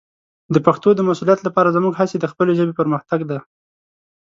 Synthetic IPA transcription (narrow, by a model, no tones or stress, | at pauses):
d̪əpaxt̪od̪əmasulijat̪lapɑɾazəmuɡɦased̪əxpəleʒəbepəɾməxt̪aɡd̪a